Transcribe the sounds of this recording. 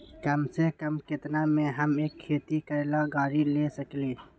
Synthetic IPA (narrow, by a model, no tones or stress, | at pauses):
kəmsekəmkɪt̪namẽɦəmeːkʰːeːt̪ikəɾlaɡaːɾilesəkliː